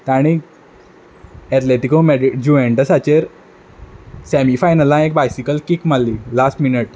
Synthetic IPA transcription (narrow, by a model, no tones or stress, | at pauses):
t̪aɽ̃i | ɛt̪leʈikomeɖid͡ʑuʋẽɳʈəsat͡ɕeɾ | sɛmifajnəlãek̚bajsikəlkikm̤alːilasʈminəʈ̚